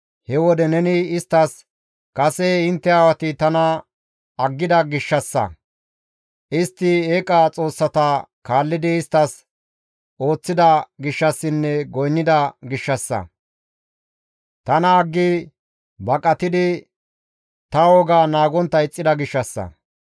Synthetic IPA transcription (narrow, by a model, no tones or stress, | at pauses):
hɛwɔd̪ɛnɛnɪɪst̪ːɐs | kɐsɛɪnt̪ːɛawɐt̪ɪt̪ɐnɐ | ɐɡːɪd̪ɐɡɪʃːɐsːɐ̰ | ʔɪst̪ːɪeːkʼat͡sʼo̞ːsːɐt̪ɐkaːlːɪd̪ɪːst̪ːɐs | o̞ːt͡sːɪd̪ɐɡɪʃːɐsːɪnːɛɡɔjnːɪd̪ɐɡɪʃːɐsːɐ̰ | t̪ɐnɐːɡːɪ | bɐkʼɐt̪ɪd̪ɪ | t̪ɐɔɡaːnaːɡɔnt̪ːɐɪt͡sʼːɪd̪ɐɡɪʃːɐsːɐ̰